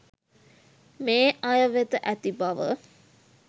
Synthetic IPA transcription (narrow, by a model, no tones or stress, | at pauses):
meːʔajəʋet̪əʔæt̪ibaʋə̰